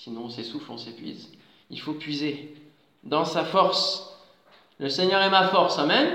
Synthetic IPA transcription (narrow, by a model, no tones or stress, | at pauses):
sinɔ̃sesuflɔ̃sepɥḭz | ḭlfopɥize | d̪ɑ̃safɔʁs | ləsɛɲœʁɛmafɔʁsɑ̃mɛm